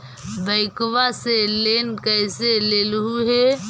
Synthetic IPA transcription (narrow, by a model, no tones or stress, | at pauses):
bəɪkʋaseleːnkəɪseleːlɦuɦe